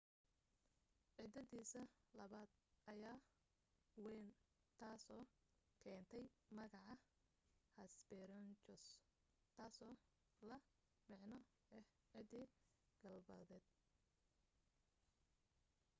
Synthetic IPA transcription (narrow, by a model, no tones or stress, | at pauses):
ʕɪd̪ɐðiːsɐlɐβaːd̪̥ʔɐjaː | wɛnt̪ʰaːsɔː | kʰɛːnt̪ʰɛjmɐɣɑʕɑ | hɐsbɛɾɔnt͡ʃɔs | t̪ʰaːsɔː | lɐ | mɪʕnɔ | ɛh | ʕɪd̪ɪ | ɡ̥ɐlbɐ̰ðɛːd̪̥̚